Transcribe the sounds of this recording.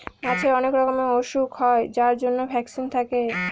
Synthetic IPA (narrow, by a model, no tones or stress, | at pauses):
mat͡ɕʰeɔnekɾɔkomeoʃukɦɔed͡ʑaɾd͡ʑonːobʱɛksint̪ʰake